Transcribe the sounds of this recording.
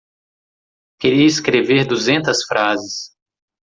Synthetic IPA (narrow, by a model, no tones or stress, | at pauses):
keɾiɐiskɾeveɾd̪uzẽnt̪ɐsfɾazɪs